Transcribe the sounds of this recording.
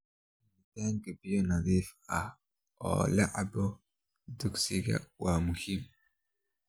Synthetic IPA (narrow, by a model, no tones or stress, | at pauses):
ɛid̪aːŋkɐbɪjɔnɐðiːfɐh | ɔ̰ːlɐʕɑ̰bɔ | d̪ʊɡsɪɣɐ̰waːmʊhim